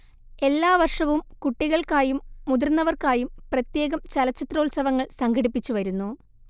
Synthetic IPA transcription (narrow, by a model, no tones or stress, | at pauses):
e̞lːaːʋɐrʂɐʋumkuʈːiɣɐɭkaːjumːud̪ɐrnːɐʋɐrkaːjumprɐt̪je̞ːɣɐmt͡ɕɐlɐt͡ɕːit̪ro̞ːɭsɐʋɐŋːɐɭsɐŋɡɐɽipːit͡ɕːuʋɐɾunːu